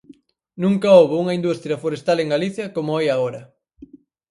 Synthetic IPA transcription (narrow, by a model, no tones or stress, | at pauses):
nũŋkɐoβouŋɐind̪ust̪ɾjɐfoɾest̪aleŋɡaliθjɐkomʊajaɣoɾɐ